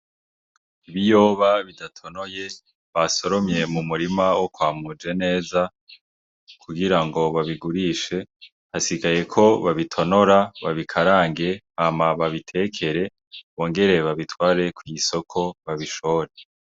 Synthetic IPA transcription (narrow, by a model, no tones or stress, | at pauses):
iβijo̞ːβaβidatʰo̞no̞je̞ | βaso̞ɾomɲe̞mumuɾimawokwaːmud͡ʒe̞ne̞ːza | kʰuɡiɾaŋɡo̞βaβiɡuɾiʃe̞ | hasiɡaje̞kʰo̞βaβitʰo̞no̞ɾaβa̰βikʰaɾaːŋɡe̞hamaβaβitʰe̞kʰe̞ɾe̞ | βo̞ːŋɡe̞ɾe̞βaβitwaːɾe̞kwiso̞kʰo̞βaβiʃo̞ɾe